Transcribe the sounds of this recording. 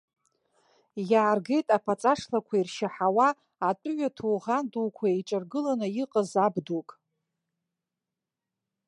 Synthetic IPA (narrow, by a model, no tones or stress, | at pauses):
jaːrɡe̞jtʼapʰat͡sʼaʂlakʷʰairʃaħawaː | tʷʼʊɥatʰuwʁanduwkʷʰaeʈ͡ʂʼɨrɡɨlanɨjiqʼəzabdukʼ